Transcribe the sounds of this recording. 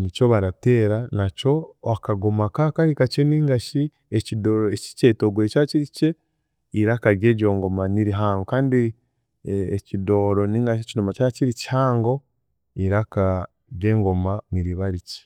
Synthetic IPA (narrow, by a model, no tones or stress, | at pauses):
nicoβaɾate̞ːɾanaco̞akaɡomakakaɾikaceniːŋɡaʃi | ecidoɾoeci̥cetoɡwet͡ʃaciɾice̞ | iɾakaɾjeɟo̞ːŋɡo̞maniɾiɦaːŋɡokaːndi | ecido̞ːɾo̞niːŋɡaʃecinomacaːciɾici̥haːŋɡo̞ | iɾaka | ɾje̞ːŋɡo̞maniɾiβaɾice̥